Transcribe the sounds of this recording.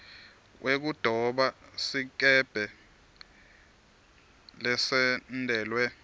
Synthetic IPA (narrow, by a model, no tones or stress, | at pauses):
wʔek̬ud̥ʱɔɓasik̬ɛb̥ʱɛ | lɛsɛndʱɛːlwɛ